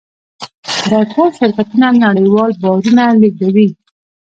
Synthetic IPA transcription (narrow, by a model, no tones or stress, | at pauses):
d̪əʈʰolʃɪɾkat̪unanaɽəjwɑlbɑɾunaleɡawi